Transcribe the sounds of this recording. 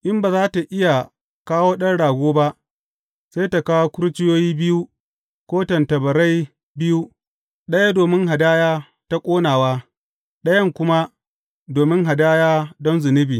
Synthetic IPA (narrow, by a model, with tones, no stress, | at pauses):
ʔɪ˦mbaː˨zaː˦ta˨ʔɪ˦ja˨ | kaː˦woː˦ɗɐ˦nɽaː˨ɡʷoː˦ba˦ʔ | sa˦jta˨kaː˦woː˦kʷʊ˦ɾt͡ʃɪ˦joː˦jiː˦bɪ˦ju˦ | kʷoː˦tɐ˨ntɐ˨bɐ˨ɾa˦j | bɪ˦ju˦ | ɗɐ˦ja˦doː˨mɪ˦ŋɦa˨daː˦jaː˦ | ta˦kʷʼoː˦naː˨waː˦ | ɗɐ˦jɐ˦˨ŋkʷʊ˦ma˦ | doː˨mɪ˦ŋɦa˨daː˦jaː˦dɔ˦nzɪ˨nɪ˦biː˨